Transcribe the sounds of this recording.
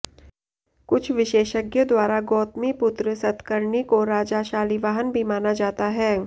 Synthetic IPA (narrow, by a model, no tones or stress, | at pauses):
kʊt͡ʃʰʋɪʃeːʃəɡjəd̪waːɾaɡɔːt̪mipʊt̪ɾəsɐt̪kəɾɳikoɾaːd͡ʒaːʃaːliʋaːɦənbʱimaːnad͡ʒaːt̪aɦɛː